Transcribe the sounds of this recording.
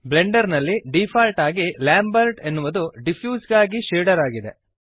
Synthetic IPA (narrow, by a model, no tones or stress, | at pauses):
ble̞ɳɖɐɾnɐlːiɖipʰaːlʈaːɡilaːmbɐɾʈe̞nːuʋɐd̪uɖipʰjuːsɡaːɡiʃeːɖɐɾaːɡid̪e̞̰